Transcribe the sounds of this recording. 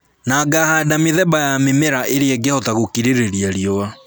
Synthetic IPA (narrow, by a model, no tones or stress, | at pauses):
naɡahadameðɛbajamemɛɾaʔeɾeɛɡɛhɔtaɣokiɾeɾeɾiaɾiɔwa